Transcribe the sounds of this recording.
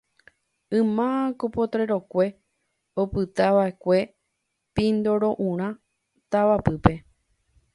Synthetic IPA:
ɨ̃mãakopo̞t̪ɾe̞ɾo̞kʷe̞ | opɨt̪aʋaekʷe̞ | pĩnd̪o̞ɾo̞ʔũɾ̃ã | t̪aʋapɨpe̞

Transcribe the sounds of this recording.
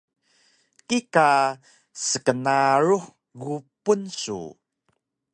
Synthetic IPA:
kika | səkənaɾuħ | ɡupunsṵ

